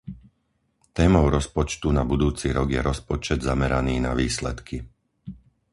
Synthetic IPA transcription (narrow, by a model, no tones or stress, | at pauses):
t̪ɛːmɔʊɾɔspɔt͡ʃt̪unabud̪uːt͡siɾɔɡjɛɾɔspɔt͡ʃɛd̪zamɛɾaniːna̰ʋiːslɛ̰t̪kʰi